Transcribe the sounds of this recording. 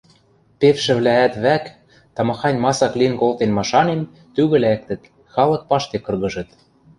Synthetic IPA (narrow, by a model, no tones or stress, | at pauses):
pefʃɘ̆βlæːt̪βæk | t̪ɑmɑxɑnʲmɑsɑklinkolt̪enmɑʃɑnen | t̪yɣɘ̆læk̚t̪ɘ̆t̪ | xɑlɤ̆k̚pɑʃt̪ekɤ̆rɣɤ̆ʒɤ̆t̪